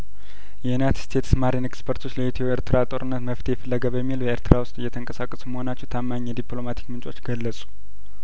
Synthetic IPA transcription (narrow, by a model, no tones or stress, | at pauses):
jɛjunajt̪dst̪ʰet̪smaɾinekspʰəɾt̪ʰo̞t͡ʃːləet̪ʰoeɾt̪ʰɨɾat̪ʼo̞ɾɨnːət̪məft̪ʰejɛfəlːəɡəbəmːiljɛeɾt̪ʰɨɾawʊst̪ʼɨjːɛt̪ʰəŋkʼəsakʼːəsuməho̞nat͡ʃːɛhwt̪ʰamːaɲːɛd̪iplo̞mat̪ʰi̥kmɨnt͡ʃʼo̞t͡ʃːɡ̥əlːəsʼu̥